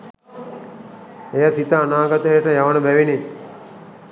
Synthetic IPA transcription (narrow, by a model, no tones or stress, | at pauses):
ejasit̪əanaːɡat̪əjəʈəjaʋənəbæʋine